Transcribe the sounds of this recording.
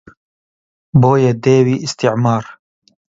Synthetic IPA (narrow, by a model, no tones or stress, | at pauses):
boːjed̪eːwiːʔɪst̪iʕmɑːɾ